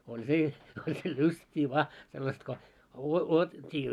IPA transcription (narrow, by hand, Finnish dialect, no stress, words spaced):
olʲ se olʲ se lystʲiː ʋɑː selːɑst ko uo uotettʲiː